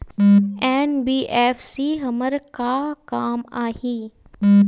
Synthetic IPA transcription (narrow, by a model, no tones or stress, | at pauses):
ɛːnbiːʔɛːfsiːɦəməɾkakaːmaːhiː